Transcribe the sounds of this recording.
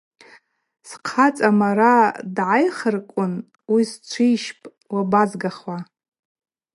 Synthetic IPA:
sqʰat͡sʼamaɾadʕajχərkʷʼʊn | wist͡ʃʷʰijʃpʼ | wabazɡaχwa

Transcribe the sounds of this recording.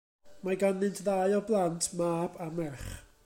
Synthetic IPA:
maɡanɨntʰðaɨɔblˠantʰmaːb̥amɛrχ

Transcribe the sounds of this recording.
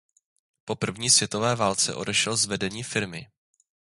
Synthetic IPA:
po̞pr̩vɲiːsvjɛt̪o̞vɛːvaːlt͡sɛ̰ʔo̞̰dɛʃɛlzvɛdɛɲiːfɪɾmɪ

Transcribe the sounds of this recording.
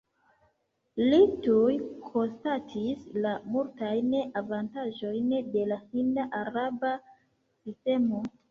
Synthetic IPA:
litujkʰo̞nstatʰislamultajnavantaʒo̞jnde̞lahindaʔaɾaba | siste̞mo̞

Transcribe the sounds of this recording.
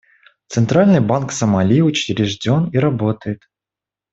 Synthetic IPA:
t̪sɨnt̪ɾalʲnɨjbanksəmalʲiʊt͡ɕɪɾʲɪʐdʲoniɾɐbot̪əjɪt̪

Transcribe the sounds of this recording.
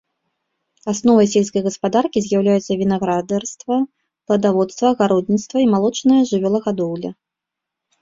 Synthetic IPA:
asnɔvɐjsʲelʲskɐjɣɐspad̪arkʲizʲjawlʲajɛt̪sːɐvʲinaɣɾad̪ɛrst̪vɐ | plˠɐd̪avɔt̪st̪vɐɣaɾɔd̪ʲnʲit̪st̪vɐimalˠɔt͡ʂnɐjɐʐɨvʲɔlˠɐɣad̪ɔwlʲɐ

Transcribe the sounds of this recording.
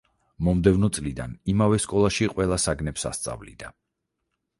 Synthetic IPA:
mɔmd̪ɛvnɔt̪sʼlid̪a̰nimavɛskʼɔlˠaʃiqʼwɛlˠasaɡnɛpsa̰st̪sʼa̰vlḭd̪a

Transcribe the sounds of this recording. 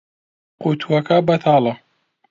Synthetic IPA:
qut̪ʰuwɐkabɐt̪ʰaːlɐ

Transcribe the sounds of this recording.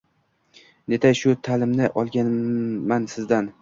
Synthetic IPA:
ne̞t̪ʰajʃʊt̪ʰalɪmnɪʔɒlˠɡʲanmansɪzd̪an

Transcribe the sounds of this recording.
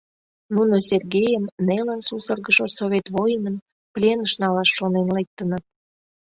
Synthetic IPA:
nunosʲerɣejəmnelənsusərɣəʃosoβʲet̪βojənən | plʲenəʃnɑlɑʃːonenlek̚t̪ənət̪̚

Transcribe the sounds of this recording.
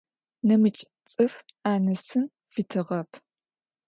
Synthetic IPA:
nɐmɨt͡ʃʼ | t͡sʼɨfaːnɐsɨn | fitʰɨʁɐpʰ

